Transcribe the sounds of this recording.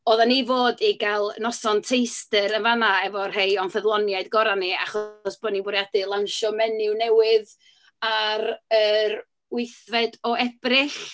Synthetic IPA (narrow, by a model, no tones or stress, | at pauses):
ɔðanivoːdiɡalˠnɔsɔntʰejstɪɾənvanaɛvɔrɦejɔnθəðlˠɔnjaɨdɡɔɾanːiaχɔsb̥oːdnibʊɾjadɨlˠanʃɔmɛnɪwnɛwɪð | aɾəɾ | wɪjθvɛdɔɛb̥rɪɬ